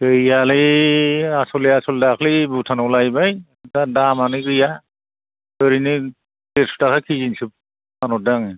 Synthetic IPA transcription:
eiali | asɔlɛasɔldakʰlibutʰanɔlajbaj | tadamanikɹija | ɔɾini | tesu̥takʰakʰizinsip̚ | anɔdaŋ

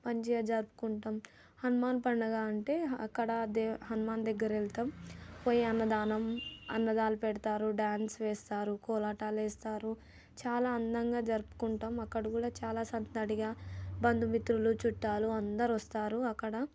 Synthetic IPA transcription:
pɐɲd͡ʒiaːd͡ʒɐɾpu̥kuɳʈɐm | hɐnumaːnpɐɳːɐɡaːɐɳʈe̞ːɐkːɐɽɐd̪eɦɐnumaːnd̪ɛɡːɐɾelt̪ɐmpoːjiɐnːɐd̪aːnɐmɐ̰nːɐd̪aːlupɛɽɐt̪aːɾuɖaːnsʋɛːst̪aːɾukɔːlaːʈaːlɛːst̪aːɾu | t͡ʃaːlaːɐnd̪ɐŋɡaːd͡ʒɐɾupu̥kuɳʈamɐkːɐɽɐkuːɽaːt͡ʃaːlaːsɐnt̪ɐd̪aɽiɡaːbɐnd̪umit̪ɾulut͡ʃuʈːaːluɐnd̪ɐɾʋɐst̪aːɾuɐkːɐɽɐ

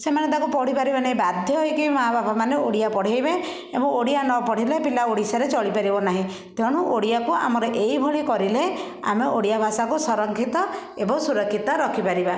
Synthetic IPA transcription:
semaned̪akupɔɽ̤ipaɾibanaɦĩbad̪ʱjɔɦɔjkimaɦababamaneoɽijapɔɽ̤ajbe | emũoɽijanɔpɔɽ̤ilepilaoɽisaɾet͡ʃɔɭipaɾibɔnaɦĩ | t̪ɔɽ̃uʔoɽijakua̰mɔɾeʔeibʱɔɭikɔɾile | a̰meoɽijabʱasakusɔɾɔŋkʰit̪ɔebɔŋsuɾɔkʰːit̪ɔɾɔkʰipaɾiba

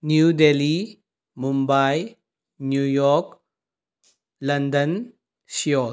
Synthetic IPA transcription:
njudeli | mumbaj | njujɔk̚ | lɐndən | sijɔ

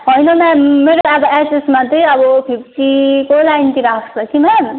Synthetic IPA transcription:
ɦʌjnʌmãmeɾoabʌesesmat̪ʌjʌbʌpʰip̚ʰʈikolajnt̪iɾakʰsʰʌkima

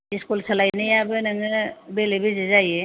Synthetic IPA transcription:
iskulsalajnɯjabɯnɯŋɯbelebezezaje

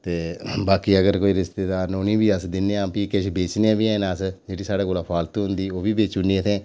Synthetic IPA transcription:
t̪eːbaːkiːəɡəɾkoːiːɾɪst̪eːd̪aːɾnonĩːbiːəsd̪ɪneãːpiːkɪʃbeːt͡ʃnãːbiːɛ̃ːnːəsd͡ʒeːɽiːsaːɖeːkoːlaːpʰaːlt̪ũɦʊ̃nd̪iːoːbiːbeːt͡ʃʊnːiːət̪ʰẽː

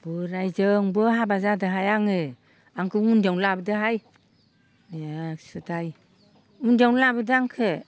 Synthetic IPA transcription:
b̥ɯɾajzɯŋbɯɦabazadɯɦajaŋɯ | aŋkʰɯŋundawlabɯdɯɦaj | njasɯdaj | undawnlabɯdɯaŋkʰɯ

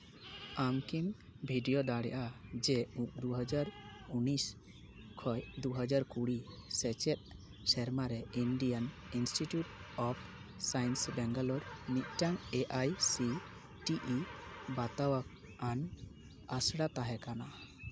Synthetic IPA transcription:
amkimbʱiɖijɔd̪aɽɛ̰ʔad͡ʒɛũʔd̪uɦəd͡ʒaɾunis | kʰɔjd̪uɦəd͡ʒaɾkuɽisɛt͡ʃɛt̪̚ˀ | sɛɾmaɾɛinɖijan | insʈiʈjuʈɔpʰ | sajnsbɛŋɡalɔɾnic̪̚ˀʈaŋeʔajsi | ʈiʔibat̪awak | an | asɽat̪aɦɛkana

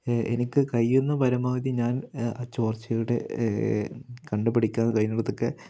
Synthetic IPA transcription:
ḛnikʲːɨkɐjenːɐpɐɾɐmaːɐðiɲaːnaːt͡ɕo̞ːrt͡ɕːɐjuɽḛ | kɐɳɖɨpːɐɽikʲːaːnːɐkɐjnɐɽɐt̪ːokːe

